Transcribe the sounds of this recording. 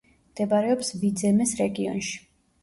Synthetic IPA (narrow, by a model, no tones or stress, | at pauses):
md̪̥ɛbaɾɛɔpsvid̪zɛmɛsɾɛɡiɔ̰nʃi̥